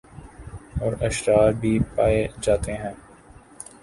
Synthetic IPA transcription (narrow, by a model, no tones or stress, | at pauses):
ɔːɾɐʃɾaːɾbʱiːpaːed͡ʒaːt̪eɦɛ̃ː